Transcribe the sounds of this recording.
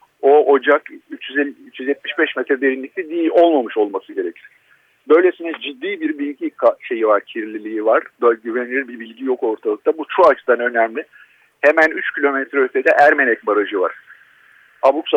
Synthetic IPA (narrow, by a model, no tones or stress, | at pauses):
o̞o̞d͡ʒakyt͡ʃjyzyt͡ʃʰjyzjɛt̪̚miʃbɛʃmɛt̪ɾɛd̪e̞ɾinlʲic̚t̪ʰʲid̪ijiʔo̞lˠmamɯʃo̞lˠmasɯɟe̞ɾecʰiɾ̥ | bø̞jlʲe̞sinɛd͡ʒid̪ːiːbiɾbilʲɟikʰaʃe̞jivaɾcʰiɾlʲilʲijivaɾ̥bøɟyvenilʲiɾbibilʲɟijo̞ko̞ɾt̪ʰalˠɯkt̪ʰabut͡ʃ̪ʰɾuat͡ʃʰɯd̪anø̞næmlʲɪ | hemænyt͡ʃcʰilʲo̞mɛt̪ɾɛøt̪ʰe̞d̪ɛʔæɾme̞nɛc̚baɾaʒɯva̰ɾ̥ | abuks